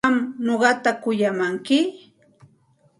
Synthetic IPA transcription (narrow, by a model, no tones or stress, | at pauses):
mnoɢɑt̪akʊjamaŋkɪ